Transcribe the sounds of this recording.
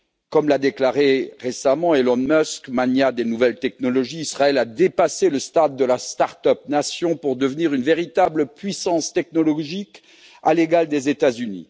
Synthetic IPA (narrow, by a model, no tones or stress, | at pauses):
kɔmlad̪eklaʁeʁesamɑ̃elɔnmœskmanjad̪enuvɛlt̪ɛknɔlɔʒiːsχaɛlad̪epaseləst̪ad̪ːəlast̪aʁt̪œp̚nasjɔ̃puʁd̪əvniʁynveʁit̪abləpɥisɑ̃st̪ɛk̚nɔlɔʒik | aleɡald̪ezet̪azynḭ